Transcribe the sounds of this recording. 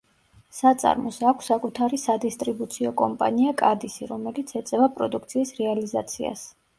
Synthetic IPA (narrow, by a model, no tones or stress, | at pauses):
sat̪sʼa̰ɾmɔsakʷʰsːakʼut̪ʰaɾisad̪ist̪ʼɾibut̪sʰiɔkʼɔmpʼa̰niakʼad̪isiɾɔmɛlit̪sʰɛt̪sʼɛvapʼɾɔd̪uk̚ʰt̪sʰiːsɾɛaliza̰t̪sʰia̰s